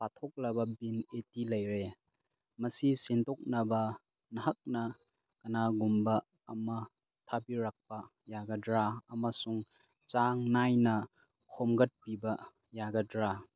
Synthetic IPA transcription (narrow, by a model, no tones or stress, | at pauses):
patʰok̚lɐbɐbinetilɐjɾe | mɐsisentɔk̚nɐbɐ | nɐɦɐk̚nɐ | kɐnaɡumbɐː | mɐ | tʰabiɾak̚pɐ | jaɡɐdɾaɐmɐsuŋ | t͡ʃaŋnajnɐ | kʰomɡɐt̚pibɐ | jaɡɐdɾa